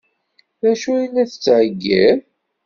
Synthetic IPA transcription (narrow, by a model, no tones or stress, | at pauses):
ðæʃujilæθə̥t͡sːʕəɡːæð